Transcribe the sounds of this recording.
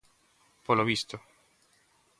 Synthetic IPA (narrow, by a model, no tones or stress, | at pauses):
poloβist̪o